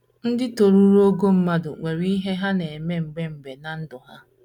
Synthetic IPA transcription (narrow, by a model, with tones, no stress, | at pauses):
n̩˦dɪ˦to˨ɾu˦ɾo˦ɡo˦m̩˦ma˦dʊ̰˨ŋʷe˨ɾi˦ɦe˦ɦa˦ne˨e˨me˦m̩˨ɡ͡be˦m̩˨be˨na˨n̩˦dʊ˨ɦa˦